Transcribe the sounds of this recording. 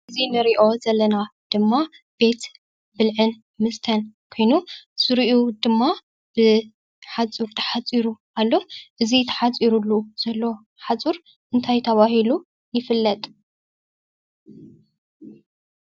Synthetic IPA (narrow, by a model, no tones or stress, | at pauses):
ʔɨzinɨɾiʔo̞zɐlːɐnad̪̥ɨmːa | b̥e̞t̪ | bɨlʕɨn | mɨst̪ʰɐnkʰo̞jnuz̥ɨɾiʔud̪ɨmːa | b̥ɨ | ħat͡sʼuɾt̪ʰɐ̥ħat͡sʼiɾuʔalːo̞ʔɨzit̪ʰɐ̥ħat͡sʼiɾulːuz̥ɐlːo̞ | ħat͡sʼuɾ | ʔɨnt̪ʰajt̪ʰɐβahilu | jɪfɨlːɐt̪ʼ